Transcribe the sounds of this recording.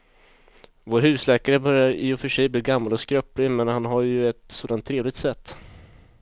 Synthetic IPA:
voːɾhʉ̟ːslɛːkaɾəbœɾjaɾɪ̰ɔfœʂɛjbliːɡamːalɔskɾœpːlɪmɛnhanɦaɾjɵɛt̪soːd̪ant̪ʰːɾeːvlɪɡ̚t̪sɛt̪ː

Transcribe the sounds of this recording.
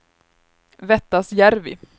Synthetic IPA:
vɛt̪ːasjæɾvɪ̰

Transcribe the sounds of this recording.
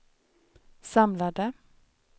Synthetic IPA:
sɑmlad̪ə

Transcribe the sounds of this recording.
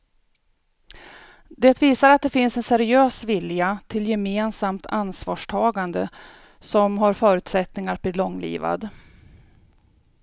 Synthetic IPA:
d̪eːt̪viːsaɾat̪̚d̪ɛfɪnsɛnsɛɾɪøːsvɪljat̪ʰɪljɛmeːnsamt̪ʰansvɑ̰ːʂʈʰɑːɡand̪ə | sɔmɦaɾfœːɾʉ̟ːt̪sɛt̪nɪŋaɾp̪ɪːd̪lɔŋːlḭːva̰d̪

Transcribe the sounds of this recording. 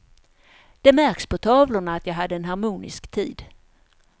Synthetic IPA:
d̪̥ɛmæɾkspʰɔt̪ʰɑːvlʊɳaːt̪jɑːɡɦad̪ːəɛnɦaɾmuːnɪ̰skt̪ʰiːd̪

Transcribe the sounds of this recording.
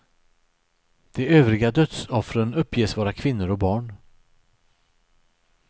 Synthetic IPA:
d̪̥ɛøːvɾɪɡad̪œt̪sɔfɾənɵpːjeːsvɑːɾakʰvɪnːʊɾɔk̚bɑːɳ

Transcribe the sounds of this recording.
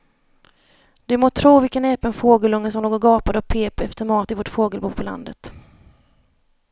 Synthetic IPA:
d̪̥ɛmoːt̪ʰɾuːvɪlkənɛːpənfoːɡəlɵŋːəsɔmloːɡɔɡɑːpad̪ɔpʰeːpɛft̪əɾmɑːt̪ɪvoːʈfoːɡəlbuːpʰɔla̰nd̪ə̰t̪

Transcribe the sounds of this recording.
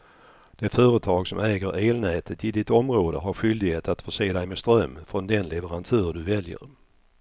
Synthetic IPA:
d̪̥ɛfœːɾət̪ʰɑːɡsɔmɛːɡəɾeːlnɛːt̪ʰət̪ɪd̪ɪt̪ɔmɾoːd̪ə̰ɦaɾɧʏld̪ɪɡheːt̪at̪fœʂeːd̪æjmɛst̪ɾœmːfɾɔnd̪ɛnlɛvəɾant̪ʰʉːɾd̪ɵvɛljə̰ɾ

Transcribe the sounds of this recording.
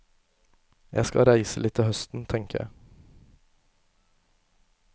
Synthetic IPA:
jʔæɪskɑ̰ɾæɪsəlɪt̪ʰːɪhœst̪n̩t̪ʰɛŋkəjæ̰ɪ

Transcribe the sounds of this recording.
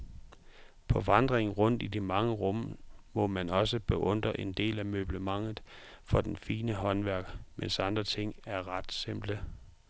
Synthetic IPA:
pʰɒ̽ʋɑ̈nd̥ʁeŋn̩ʁɔ̽n̰d̥idimɑ̈ŋəʁɔ̽m̰mɒ̽mænɒ̽səb̥eʔɔ̽nd̥ʁɐʔe̝nd̥e̝̰ːlæmøb̥ləmɑ̈ŋ̰ð̩ˠ | fɒ̽d̥enfiːnəɦɒ̽nʋæɐɡ̥mensɑ̈nd̥ʁɐt͡sʰe̝ŋ̰æɐʁɑ̈d̥se̝m̰b̥lə

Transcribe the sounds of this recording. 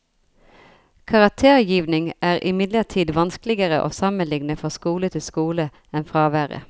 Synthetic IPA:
kʰɑʁɑk̚t̪ʰeːʁjiːʋnɪŋʔæːʁʔɪ̰mɪd̪ləʁt̪ʰiːd̪ʋɑnsklɪɡəʁəʔo̰ːsɑmənlɪŋnəfɔskuːlət̪ʰɪlskuːlə | ɛnfʁɑːʋæːʁə̰

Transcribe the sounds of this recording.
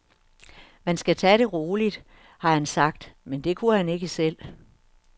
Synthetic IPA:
mænsɡ̥æt͡sʰɛɾ̥e̝ʁoːlid̥ | hɑ̈hænsɑ̈ɡ̥̚d̥mend̥e̝kʰuhæne̝ɡ̥əsel̰

